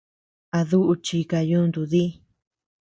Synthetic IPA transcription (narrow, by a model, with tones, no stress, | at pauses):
a˧ðu˦ʔu˧t͡ʃi˧ka˧jũ˦nd̪u˧ði˦